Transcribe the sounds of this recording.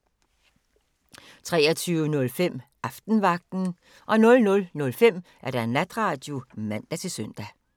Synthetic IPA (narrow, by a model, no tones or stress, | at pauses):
t͡sʰʁɛ̰ːɐt͡sʰyːʊənɔ̽lfem̰ʔɑ̈fd̥n̩ʋɑ̈ɡ̥̚d̥n̩ | ʔɒ̽nɔ̽lnɔ̽lnɔ̽lfem̰ʔæɐɾ̥æenlæd̥ʁɑ̈ːd̥jo̝mæn̰d̥æt͡sʰe̝sœn̰d̥æ